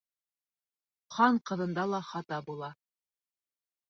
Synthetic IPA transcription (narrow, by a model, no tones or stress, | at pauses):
qʰɑɴqɤ̆ðɤ̆nd̪ɑlˠɑχɑt̪ɑbulˠɑ